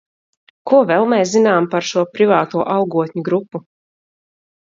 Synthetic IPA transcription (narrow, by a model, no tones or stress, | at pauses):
kuɔvɛlˠmɛːs̬zinaːmpaɾʃuɔpɾivaːt̪uɔʔɑlɡuɔt̪ʲɲuɡɾupːu